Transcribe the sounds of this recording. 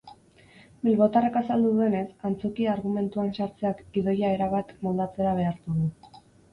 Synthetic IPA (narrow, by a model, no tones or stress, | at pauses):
bilβo̞t̪arekasald̪uðue̞ne̞sant͡so̞kiaɾɣume̞nt̪uansaɾt͡se̞akiðo̞jae̞ɾaβ̞at̪mold̪at͡se̞ɾaβ̞e̞aɾt̪uðu